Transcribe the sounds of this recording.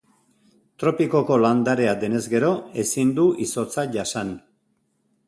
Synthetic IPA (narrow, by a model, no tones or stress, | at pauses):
t̪ɾo̞piko̞ko̞land̪aɾe̞ad̪e̞ne̞zɡe̞ɾo̞e̞sind̪uʔiso̞t͡saʝasan